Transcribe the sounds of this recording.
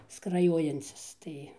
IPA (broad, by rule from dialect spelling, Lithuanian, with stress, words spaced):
skrɐˈjoːjɛnʲt͡sʲɪs ˈtɐɪ